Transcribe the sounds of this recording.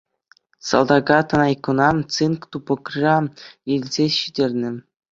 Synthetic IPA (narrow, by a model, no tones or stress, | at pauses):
sɑ̰lˠd̪ɑɡɑt̪ɤ̆nɑjkŭnɑt͡sɯnkt̪upɤ̆krʲɑilʲzʲeɕidʲerʲnʲɘ̆